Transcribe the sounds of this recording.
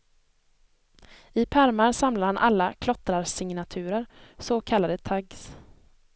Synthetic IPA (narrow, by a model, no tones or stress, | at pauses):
ɪpʰæɾmaɾsamlaɾhanʔa̰lːakʰlɔt̪ɾaɾsɪŋnat̪ʰʉ̟ːɾəɾsoːkʰalːad̪ət̪ʰaɡs